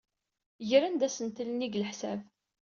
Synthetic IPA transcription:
ʝəɾænd̪æsənt̪əlniɡləħsæv

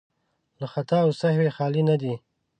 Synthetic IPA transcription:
laxat̪ɑwsahwexɑlinad̪i

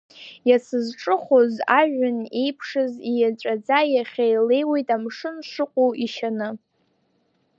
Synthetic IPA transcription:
jasɨzʈ͡ʂʼɨχʷozaʒᶣʊnejpʰʂɨzijat͡ʃʷʼad͡zajaχʲejle̞jwejtʼamʂɨnʂɨqʷʼowiʃanɨ

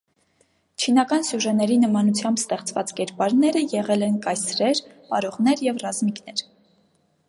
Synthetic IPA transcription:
t͡ʃʰinɑkɑnsjuʒɛnɛɾinəmɑnut͡sʰjɑmbst̪ɛχt͡svɑt͡skɛɾpɑɾnɛɾəjɛʁɛlɛnkɑjsɾɛɾpɑ̰ɾɔʁnɛɾjɛvrɑzmiknɛɾ

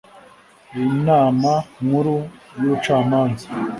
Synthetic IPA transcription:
inamaŋuɾujot͡ʃamaŋzi

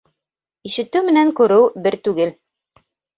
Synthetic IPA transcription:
iʃɘ̆t̪ɘwmɘ̆næŋkʉɾɘwbɘɾt̪ʉɡɘl

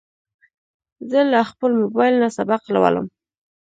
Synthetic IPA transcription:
zəlaxpəlmʊbɑjlnasabaqla̰wa̰lə̰m

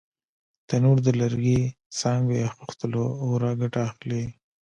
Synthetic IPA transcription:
t̪anuɾd̪əlaɾɡi | sɑŋɡeaxuxt̪əloːwɾaɡaʈaːxle

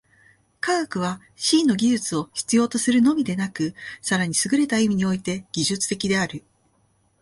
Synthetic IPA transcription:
kaɡkɯ̟β̞a | ɕiːnːo̞ɡʲiʑɨt͡sɨo̞çi̥t͡sɨjo̞ːt̪o̞sɨɾɯ̟no̞mʲid̪e̞nakɯ̟saɾaɲ̟isɨɡɯ̟ɾe̞t̪aimʲiɲ̟io̞it̪e̞ɡ̥ʲiʑɨt͡sɨ̥t̪e̞kʲid̪e̞aɾɯ̟

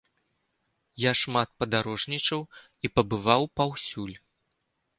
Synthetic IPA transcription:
jaʂmat̪̚pɐd̪aɾɔʐnʲit͡ʂɐw | ipɐbɨvawpawsʲulʲ

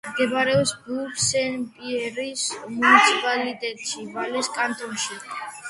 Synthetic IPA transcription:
ɡɛbaɾɛɔsbuɾsɛnpʼiɛɾismunit̪sʰipʼalit̪ʼɛt̪ʼʃivalɛskʼant̪ʼɾumʃi

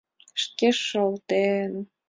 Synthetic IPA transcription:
ʃkʲeʃɤlt̪en

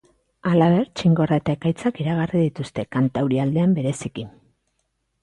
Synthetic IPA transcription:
alaβe̞ɾt͡ʃiŋɡo̞rae̞t̪ae̞kajt͡sakiɾaɣarið̞it̪ust̪e̞kant̪awɾiald̪e̞ambe̞ɾe̞siki

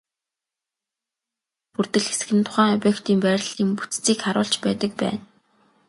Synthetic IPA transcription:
purt̪ɘ̆ɮxe̥s̆xɘ̆nt̪ʰʊ̥χæːŋɔpʲjekt̪iːmpæːɾ̆ʲɮĭːmpu̥t͡st͡siːkχaɾʊ̰ːɮt͡ɕpæːt̪ə̆k̚pæ̰ːn

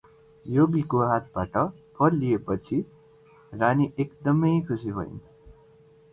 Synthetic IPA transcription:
joɡikoɦat̪̚ʰbaʈʌpʰʌɾlijepʌt͡sʰi | raniʔekd̪ʌmʌjkʰusibʱʌḭn

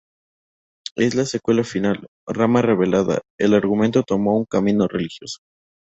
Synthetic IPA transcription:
e̞zlase̞kwe̞lafinal | ramare̞β̞e̞laða̰e̞laɾɣume̞nt̪o̞t̪o̞mo̞uŋkamĩno̞re̞lixjo̞so̥

